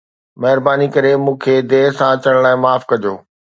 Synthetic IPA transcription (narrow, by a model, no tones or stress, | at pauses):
mɐɦɪɾbaːnikɐɾemũːkʰeːd̪eːɦsãt͡ɕɐɽ̃laːɪ̃maːfkɐd͡ʑoː